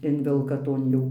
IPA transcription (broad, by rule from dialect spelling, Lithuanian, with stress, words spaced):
ˈɪnʲʋʲɛlˠkɐ ˈtoːn jɛʊ